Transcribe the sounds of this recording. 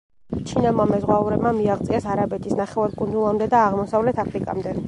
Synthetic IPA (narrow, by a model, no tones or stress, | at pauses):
t͡ʃʰinamamɛzʁwauɾɛbmamiaʁt̪sʼiasaɾabɛt̪ʰisnaχɛvaɾkʼund̪zulˠamd̪ɛd̪aːʁmɔsavlɛt̪ʰapʰɾikʼa̰md̪ɛ